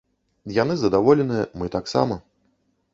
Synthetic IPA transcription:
janɨzɐd̪avɔlʲɛnɨjɐmɨt̪aksa̰mɐ

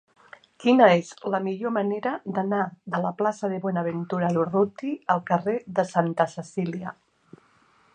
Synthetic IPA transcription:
kinəezləmiʎoməneɾəðənaðələplasəðəβwɔnaəβent̪uɾaurut̪iəlˠkəreðəsant̪əsəsilia

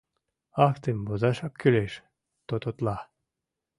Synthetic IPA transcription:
ɑft̪embozɑʃɑp̚kyleʃ | t̪ot̪ot̪lɑ

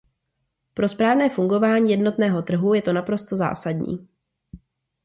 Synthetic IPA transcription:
pɾo̞spɾaːvnɛːfuŋɡo̞vaːɲiːjɛdno̞t̪nɛːɦo̞t̪r̩ɦujɛt̪o̞napɾo̞st̪o̞za̰ːsadɲḭː

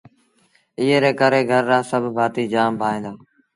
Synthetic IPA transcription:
iːɦeːɾeːkəɾeːɡʱəɾːãːsəbʱbʱaːt̪iːd͡ʒaːmbʱaːẽːnd̪aː

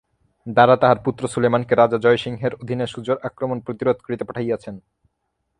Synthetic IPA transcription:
d̪aɾat̪aɦaɾput̪ːɾosulejmankeɾad͡ʑad͡ʑɔeʃiŋɦeɾod̪ʱineʃud͡ʑoɾakɾomonpɾot̪iɾod̪ʱkɾit̪epaʈʰajat͡ɕʰen

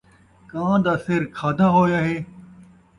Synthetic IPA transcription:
kãːd̪aːsɪɾkʰaːd̪ʱaːɦoːjaːɦeː

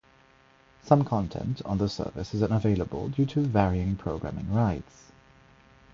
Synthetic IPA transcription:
sʌ̃mkʰɒ̃ntʰɛ̰̃ntʰn̩ðəsɜ̰ːˑvɪ̰sɪzə̃nəveɪləbə̰lˠdʉːtʰəvɛɹiɪ̃ŋpʰɹ̥əʊɡɹa̰mɪ̰̃ŋɹaɪts

